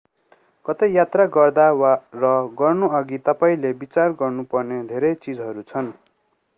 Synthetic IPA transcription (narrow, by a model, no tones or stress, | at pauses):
kʌt̪ʌjat̪raɡʌrd̪awarʌɡʌrnuʌɡit̪ʌpaĩlebit͡sarɡʌrnupʌrned̪ʱeɾʌt͡sid͡zɦʌɾut͡sʰʌn